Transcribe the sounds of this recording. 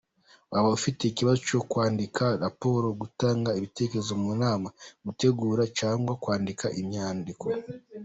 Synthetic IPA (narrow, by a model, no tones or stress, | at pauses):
waβaufite̞iciβazo̞t͡ʃo̞kwaːndikʰaɾapo̞ɾo̞ɡutaːŋɡaiβite̞ːkeezo̞munaːmaɡute̞ɡuːɾat͡ʃaːŋɡwakwaːndikʰaʔimɲaːndikʰo̞